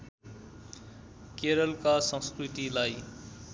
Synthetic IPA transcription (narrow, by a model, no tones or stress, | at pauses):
keɾʌlkasʌ̃skrit̪ilaj